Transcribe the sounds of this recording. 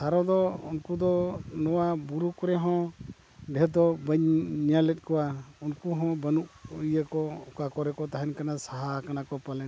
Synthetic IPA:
saɾɔd̪ɔunkud̪ɔnɔwabuɾukɔɾɛɦɔ̃ | bʱɛd̪ɔbəɲɲalɛt̪̚ˀkɔwaunkuɦɔ̃bənuʔujəkɔukakɔɾɛkɔt̪aɦɛnkanasaɦakanakɔpalɛn

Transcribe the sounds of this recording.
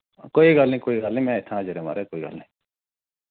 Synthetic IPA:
koːiɡalnĩːkoːiːɡalnĩːmɛ̃ːɪt̪ʰãːd͡ʒəɾema̰ːɾeːkoːiːɡə̰lnĩː

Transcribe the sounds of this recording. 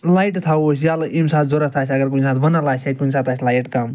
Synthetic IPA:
lajʈt̪ʰaosʰjaːlɐʔimsaːt̪ʰzoɾɐt̪ʰaːt͡ʃʰɐɡɐɾkunsaːt̪̚bɐnalaːt͡ʃʰekunsaːt̪aːt͡ʃʰʲlaːjʈkam

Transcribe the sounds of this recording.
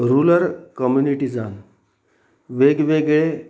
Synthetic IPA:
ɾuləɾkəmjuniʈid͡zan | ʋeɡʋeɡɭe

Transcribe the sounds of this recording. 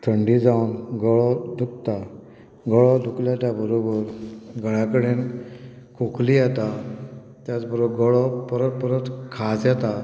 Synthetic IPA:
t̪ʰəɳɖid͡zawnɡɔɭɔd̪uk̚t̪a | ɡɔɭɔd̪ukljat̪abəɾobəɾɡʱəɭakəɽen | kʰuklijɛt̪a | t̪jat͡sbəɾobɡɔɭɔpəɾət̪̚pəɾət̪kʰad͡zjɛt̪a

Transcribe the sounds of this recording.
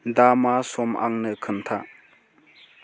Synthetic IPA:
damasɔmʔa̰ŋnɯkʰɯnt̪ʰa

